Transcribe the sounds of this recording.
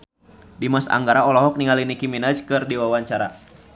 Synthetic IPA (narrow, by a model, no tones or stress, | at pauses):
dimasa̰ŋɡaɾaɔlɔɦɔk̚niŋalinikiminad͡ʒkɨrdiwawaɲt͡ʃaɾa̰